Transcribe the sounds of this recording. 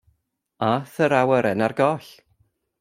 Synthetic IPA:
aθəɾawəɾɛnarɡɔɬ

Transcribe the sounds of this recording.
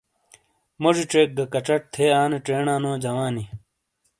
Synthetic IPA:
moʐiʈ͡ʂeːk̚ɡɐkɐʈ͡ʂɐʈ̚t̪ʰeːaːneʈ͡ʂeːɳãːnõːd͡ʑɐwaːni

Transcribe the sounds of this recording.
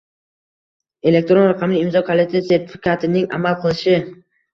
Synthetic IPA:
e̞le̞k̚t̪ɾonɾaqʰɑmlɪɪmzɒkʰolˠet̪ʰase̞ɾt̪ʰɪ̥fɪ̥kʲat̪ʰɪnɪŋa̰malˠqʰɨlˠɪʃɪ

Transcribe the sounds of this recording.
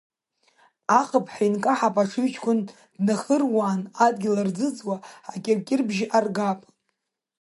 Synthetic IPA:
aχəpʰʼħinkʼaħapʼaʂɨɥt͡ʃʰkʷʰʊn | dnaχərwaːnadɡʲɪlard͡zɨd͡zwaakʲʼɪrkʲʼɪrbʒʔarɡapʼ

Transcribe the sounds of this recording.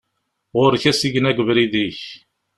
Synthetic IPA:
ʁʊɾçæsiʝnæɡəvɾiðiç

